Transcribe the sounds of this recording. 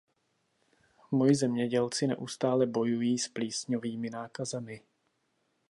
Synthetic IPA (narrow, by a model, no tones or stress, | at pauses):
mojɪzɛmɲɛɟɛlt͡sɪnɛ̰ʔust̪aːlɛbo̞jujiːspliːsɲoviːmɪnaːkazɛmɪ